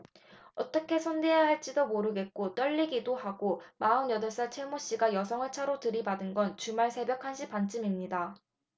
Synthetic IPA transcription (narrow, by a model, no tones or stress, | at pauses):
ʌt͈ʌkʰe̞sʰʌnde̞jaɦaɭt͡ɕ͈idomoɾɯɡe̞t̚k͈ot͈ʌʎːiɡidohaɡ̥omaɯnjʌdʌɭs͈at͡ɕʰeɭmoɕ͈iɡajʌsʰʌŋɯɭt͡ɕʰaɾotɯɾibadɯnɡʌnt͡ɕumaɭsʰe̞bjʌkʰanɕʰipant͡ɕ͈ʰɯmimɲida